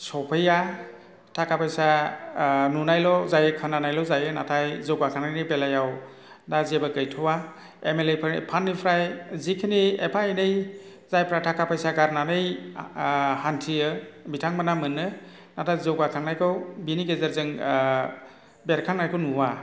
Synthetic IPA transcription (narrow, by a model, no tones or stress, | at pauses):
sɔpʰəja | tʰakapʰajsa | nunajlɔzajɯkʰɯnːanajlɔwzajɯnatʰajzɯwɡakʰaŋnajnɯjpelajaw | dazebakɯjtʰɔwa | emelepʰpʰanːipʰɾajzikʰiniepʰainɯj | zajpʰɾatʰakʰapʰajsaɡaɾnanɯj | hantʰiɯbitʰaŋmanamɯnːɯ | natʰajzɯɡakʰaŋnajkʰɯwbiniɡezeɾzɯŋ | beɾkʰaŋnajkʰɯwnuwa